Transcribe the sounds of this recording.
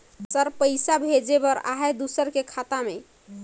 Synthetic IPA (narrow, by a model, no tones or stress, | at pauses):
səɾpəɪsabʱed͡ʒebəɾa̰ɦed̪usəɾkekʰat̪ame